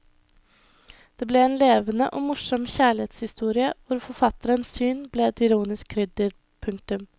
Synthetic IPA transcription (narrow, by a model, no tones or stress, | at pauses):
d̪̥eːblɛeːnleːʋənə̰ʔoːmʊʂɔmçæːɭɪeːt̪shɪst̪uːɾɪəʋʊɾfɔɾfɑt̪əɾənssyːnblɛːɛt̪ɪɾuːnɪsk̚ʰɾʏd̪ɪɾ | pʰʉŋk̚t̪ʉm